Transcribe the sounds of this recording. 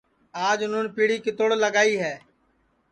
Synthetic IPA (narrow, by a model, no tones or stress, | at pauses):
aːd͡ʒnʊːnpiːɽiːkɪt̪oːɽləɡaːiːɦɛː